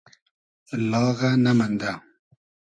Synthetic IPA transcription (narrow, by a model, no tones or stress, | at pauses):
lɑːɣanamand̪a